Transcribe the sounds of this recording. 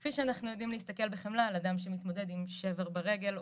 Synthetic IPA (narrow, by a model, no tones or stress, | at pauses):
kfiʃeanaχnujodimleist̪ake̞lbeχemlaladamʃemit̪mo̞de̞dimʃe̞veʁbeʁeɡe̞l